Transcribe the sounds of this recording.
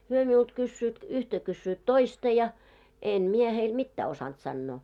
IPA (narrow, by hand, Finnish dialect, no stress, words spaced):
hyø miult kysːyːt yhtæ kysːyːt toistɑ jɑ em mie heil mitːæː osɑnt sɑnːoː